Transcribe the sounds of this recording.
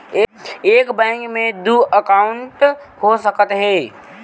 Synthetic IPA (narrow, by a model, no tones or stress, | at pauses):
eeːkbɛ̃ːŋkmẽd̪uːʔəkaːʊɳʈ | ɦosəkət̪ɦɛː